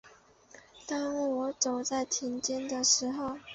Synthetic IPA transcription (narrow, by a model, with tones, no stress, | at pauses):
t̪a˥ŋ˥˩wɔ˧˥t͡so˨˩ʊt͡sa˥˩ɪt̪ʰi˧˥nt͡ɕjɛ˥nd̪ə˨ʂɻ̩˧˥xo˥˧ʊ